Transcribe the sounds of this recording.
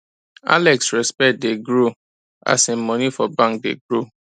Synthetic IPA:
a̰lɛksɹɛspɛdeɡɾo | a̰sĩmɔ̃nĩfɔbãŋk̚dḛɡɾo

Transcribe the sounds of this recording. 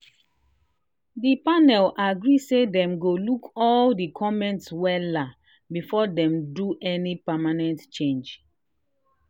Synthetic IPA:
dipanɛlaɡɹisedɛ̃mɡolukɔldikʰɔmɛ̃ntswɛla | bifɔdɛ̃mduʔɛnipamanɛ̃ntt͡ʃẽnd͡ʒ

